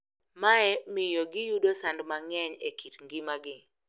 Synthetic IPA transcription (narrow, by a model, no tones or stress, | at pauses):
maɛmɪjoɡɪjudosandmaŋɛɲekʰitŋɡɪmaɡɪ